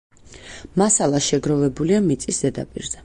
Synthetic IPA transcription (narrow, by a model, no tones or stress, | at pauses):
masalˠaʃɛɡɾɔvɛbuliamit̪sʼisd̪̥ɛd̪a̰pʼḭɾzɛ